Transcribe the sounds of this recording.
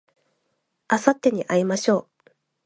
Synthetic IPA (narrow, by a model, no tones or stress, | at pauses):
asat̪ːe̞ɲ̟iʔaimaɕo̞ː